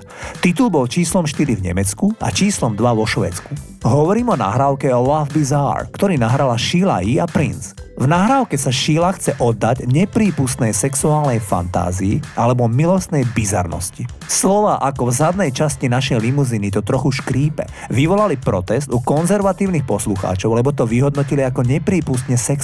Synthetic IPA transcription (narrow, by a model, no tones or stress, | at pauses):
t̪it̪ulbɔlt͡ʃiːslɔmʃt̪iɾivɲɛmɛt͡skua̰t͡ʃiːslɔmd̪ʋaʋɔʃʋɛ̰ːt͡sku | ɦɔʋɔɾiːmɔna̰ɦɾaːʊkɛɔlavbiza̰ɾkt̪ɔɾiːnaɦɾalaʃila̰iapɾḭnsvnaɦɾaːʊkɛsaʃilaxt͡sɛʔɔd̪ːaɟɲɛpɾiːpust̪nɛjsɛksuaːlnɛjfa̰nt̪a̰ːziiʔalɛbɔmilɔst̪nɛjbiza̰ɾnɔ̰sci | slɔʋaːʔakɔvzad̪nɛjt͡ʃascinaʃɛjlimuzinit̪ɔt̪ɾɔxuʃkɾiːpɛ̰ʋiʋɔlalipɾɔt̪ɛzd̪ukɔnzɛɾʋat̪iːʊnixpɔsluxa̰ːt͡ʃɔʊlɛbɔt̪ɔʋiɦɔd̪nɔciliakɔɲɛpɾiːpust̪ɲɛsɛks